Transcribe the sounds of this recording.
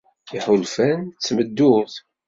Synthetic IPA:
iħʊlfænt͡sːməd̪ːʊθ

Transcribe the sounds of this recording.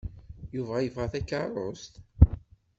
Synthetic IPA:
juvæjəvʁæθækːɑrˤost̪

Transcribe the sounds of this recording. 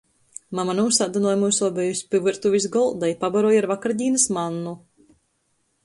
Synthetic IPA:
mamanuːsad̪anɔjmuːsɔɔbɛjusʲpʲɨvɨɾt̪uvʲis̬ɡɔlˠd̪ajpabaɾɔjaɾvakaɾd̪ʲiːnɐsmanːu

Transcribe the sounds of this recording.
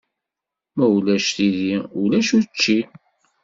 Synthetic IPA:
mæulæʃθiðiulæʃut͡ʃːi

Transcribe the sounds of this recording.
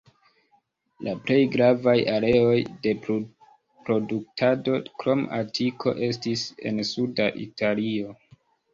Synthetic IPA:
lʔaple̞jɡɾavajaɾe̞o̞jde̞ | pɾo̞duk̚tʰado̞kɾo̞ma̰tʰikʰo̞̰ʔe̞stise̞̰nsudaʔḭtʰalio̞

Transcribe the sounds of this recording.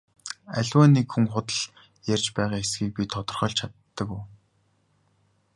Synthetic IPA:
æɮʲwæːniːkxuŋχʊt̪ə̆ɮ | jærʲt͡ɕpæːʁaːxesɡiːk̚pʲit̪ʰːɔt̪ɞ̆rχœːɮt͡ɕʰat̪ːə̆ku

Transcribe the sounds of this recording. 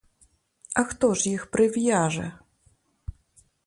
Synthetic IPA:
ɐxt̪ɔʂjixpɾɨvʲjaʐɛ̰

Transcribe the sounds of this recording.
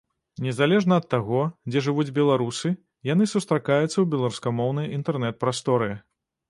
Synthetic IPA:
nʲɛzalʲɛʐnɐːt̪ːaɣɔd͡zʲɛʐɨvud͡zʲbʲɛlˠaɾusɨ | janɨsust̪ɾakajut̪sːɐwbʲɛlˠaɾuskamɔwnɐjint̪ɛrnɛt̪̚pɾast̪ɔɾɨ

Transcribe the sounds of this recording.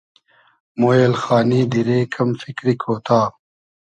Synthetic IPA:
moːjelxaːniːd̪iɾeːkʰɐmfikɾikʰoːt̪aː

